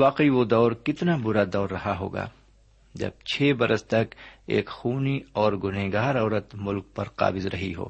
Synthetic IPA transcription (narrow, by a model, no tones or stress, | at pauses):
ʋaːqiʋod̪ɔːɾkɪt̪nabʊɾad̪ɔːɾːɐɦaɦo̰ːɡa̰ː | d͡ʒɐ̰b̚t͡ʃʰeːbɐɾəst̪ɐkḛːkxuːniɔːɾɡʊneːɡaːɾɔːɾət̪mʊlk̚pɐɾqa̰ːbɪzɾɐɦiɦo̰ː